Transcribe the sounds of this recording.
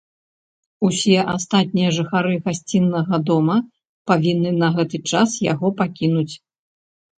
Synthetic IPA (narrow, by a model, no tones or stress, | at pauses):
usʲɛʔast̪at̪̚ʲnʲijɐʐɨxaɾɨɣasʲt͡sʲinːɐɣɐd̪ɔmɐ | pavʲinːɨnɐɣɛt̪ɨt͡ʂasja̰ɣɔpakʲin̪ut͡sʲ